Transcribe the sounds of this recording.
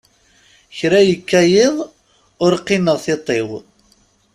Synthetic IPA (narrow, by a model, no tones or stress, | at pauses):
çɾæjəkːæjɪðˤ | ʊɾqːɪnəʁθɪt̪ˤːew